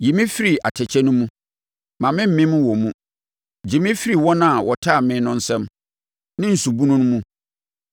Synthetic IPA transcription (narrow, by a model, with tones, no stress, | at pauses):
ji˨mĩ˦fi˦ɾi˨a̰˨tʰɛ˨t͡ɕʰɛ˦nʊ̃˦mũ˦ | mã˨mɪ̃˦m̩˨˦mɪ̃˦mũ˦wɔ˨mũ˦ | d͡ʑi˨mɪ̃˦fi˦ɾi˨wɔ˦nã˦˨wɔ˨tʰa˦˨mɪ̃˦nʊ̃˦n̩˦sɛ̃˦m | nɪ̃˦n̩˨su˨bu˦nũ˦nʊ̃˦mũ˦